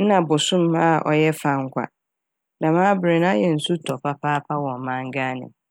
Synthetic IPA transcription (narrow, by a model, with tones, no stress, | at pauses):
n̩˦nã˨bʊ˨sʊ̃˦m˦a˦˨ʔɔ̰˨jɛ˦fa˨ŋ̩˦kʷa̰˨ | nã˨mãː˦bɾɪ˨nã˦jɛ˨n̩˨su˦tʰɔ˨pʰa˦pʰa˦pʰa˦wɔ̃˨m˨mã˦ŋ˦ɡa˦nɪ̰̃˨m